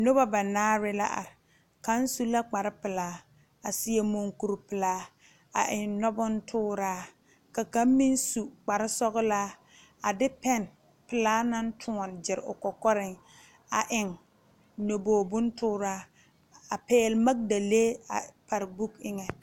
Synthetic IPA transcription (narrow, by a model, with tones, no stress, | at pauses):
no˦ba˦ba˨naː˦ɾɪ˦la̰˦ʔa̰˨ɾɪ˨ | ka˦n˦su˦la˦k͡pa˨ɾɪ˦pɪ˨laː˦ | a˨sɪ˦je˦mo˦ŋku˨ɾpɪ˨laː˦ | a̰˨ʔɪ˨nnɔ˦bʊ˦n˦tʰʊː˦ɾaː˦ | ka˨ka˦m˦mi˦nsu˨k͡pa˨ɾɪ˦sɔ˦ɣʊ˦laː˦ | a˨dɪ˦pɛ˦n | pɪ˨laː˦na˦n˦tʰʊ˦ɔ˨nd͡ʒɪ˨ɾʊ̰˨kɔ˨kɔ˦ɾɪ˨ŋ | a˨ʔɪ˨ŋ | no˨boː˨bʊ˦ntʊː˦ɾaː˦ | a˨pɛː˦lma˦k̚da˨leː˦a̰˨pa˨ɾbu˦kɪ˦ŋɛ˨